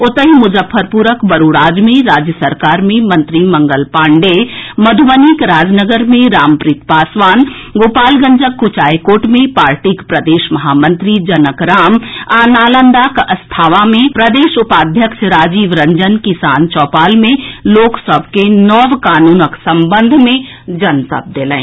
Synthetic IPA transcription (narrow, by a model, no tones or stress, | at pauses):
ʊt̪əɦimʊd͡ʒəfʰːəɾpuːɾəkbɐɾuːɽaːd͡ʒmẽɾaːd͡ʒjəsəɾkaːɾmẽmɐ̃nt̪ɾimɐ̃ŋɡəlpaːɳɖemɐd̪ʱʋənikɾaːd͡ʒnəɡəɾmẽɾaːmpɾit̪paːsʋaːn | ɡoːpaːlɡəɲd͡ʒəkːʊt͡ʃaːjkoːʈmẽpaːɾʈikpɾɐd̪eːʃmɐɦaːmə̃nt̪ɾid͡ʒɐnəkɾaːmaːnaːlə̃nd̪akəst̪ʰaːʋamẽpɾəd̪eːʃʊpaːd̪ʱjəkʃɾaːd͡ʒiːʋɾə̃ɲd͡ʒənkɪsaːnt͡ʃɔːpaːlmẽloːksəb̚ʱkenɔːʋkaːnuːnəksə̃mbə̃nd̪ʱmẽ | d͡ʒɐnt̪ə̰p̚d̪eːlɛ̰̃ː